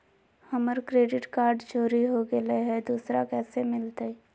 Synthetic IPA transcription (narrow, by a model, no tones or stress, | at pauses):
həməɾkɾeːɖɪʈkaːɾɖd͡ʒoːɾiɦoɡeleɦɛd̪uːsɾakɛːsemɪlt̪e